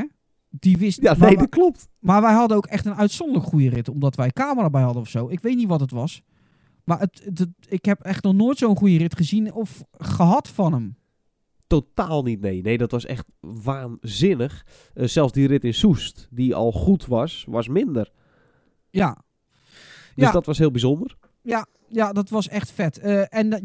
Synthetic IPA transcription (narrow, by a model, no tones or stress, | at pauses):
d̥iʋɪsaeɔt̚klɔp̚t | marʋɛjɦɑdənowkɛxtənœɥtsɔndələkχujərɪtɔmdɔtʋɛjkaːməraːbɛjɦɑdənɔfsowɪkʋejtnitʋɔtətʋɔs | maʔət | ɪkhɛpɛχtnɔχnoːjtsowənχujərɪtχəzinɔfχəɦɑtfɔnəm | totaːlˠnitnejnejdɔtʋɔsɛ̰xtʋaːnzɪnəx | sɛlˠfsdirɪtɪnsustdiɔ̰lˠχutʋɑsʋɔsmɪndər | ja | djadɔtʋɔsɦhɪːlˠbizondər | ja | jadɔtʋɔsɛxtfɛtəːʔɛn